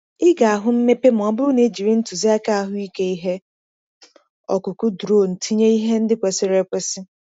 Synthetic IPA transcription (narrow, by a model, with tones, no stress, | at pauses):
ɪ˦ɡa˨a˨ɦʊ˦m̩˦me˦pe˦m̩˨ɔ˨bʊ˦ne˨d͡ʒi˨ɾi˦n̩˦tʊ˨zi˦a˦ka˦a˦ɦʊ˦i˦ke˦i˦ɦe˦ | ɔ̰˨kʊ˨kʊ˦dɾo˦˨n̩˨tʰi˦ɲe˦i˦ɦe˦n̩˦dɪ˦kʷe˨sɪ˦ɾe˨kʷe˨sɪ˦